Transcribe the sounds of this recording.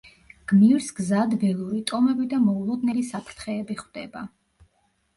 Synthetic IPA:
ɡ̥miɾsɡzad̪vɛlˠuɾit̪ʼɔmɛbid̪amɔulˠɔd̪nɛlisapʰɾt̪ʰχɛːbiχwd̪̥ɛ̰ba

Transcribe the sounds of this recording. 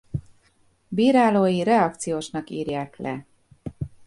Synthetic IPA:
biːɾaːloːjiɾɛɒk̚t̪sijoːʃnɒkḭːrjaːklɛ̰

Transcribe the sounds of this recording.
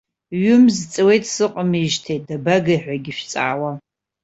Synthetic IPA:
ɥʊmzt͡sʼɨwejtʰʼsɨqʼəmiʒtʰejt̚dabaɡaiħᶣʷaɡʲɪʃᶣt͡sʼa̰ːwa

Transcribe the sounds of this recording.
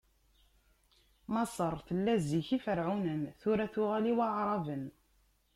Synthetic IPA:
mɑsˤəɾˤθəlːæziçifəɾʕunənθʊɾæθʊʁæliwɑʕɾˤɑvən

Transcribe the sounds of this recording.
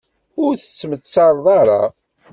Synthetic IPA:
ʊɾθə̥t͡sːmət͡sːɑɾˤðˤɑɾˤɑ

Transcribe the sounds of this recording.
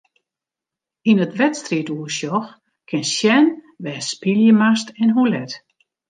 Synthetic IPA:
inətʋɛtstriətuəʃjɔx | kʰɪnsjɛn | ʋɛːspiljəmastɛnɦulɛt

